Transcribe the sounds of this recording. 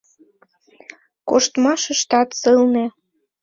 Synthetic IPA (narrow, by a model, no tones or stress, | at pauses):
koʃt̪mɑʃə̆ʃt̪ɑt̪sɨlne